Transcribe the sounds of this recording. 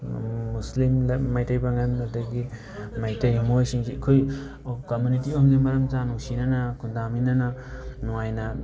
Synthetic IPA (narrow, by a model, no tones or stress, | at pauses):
muslimlːajtɐjbɐŋɐnɐdɐɡi | majtɐjmojsiŋsiɐkʰoj | komjunitionɡimɐɾɐmtanuŋsinɐnɐkʰundaminɐnɐnuŋajnɐ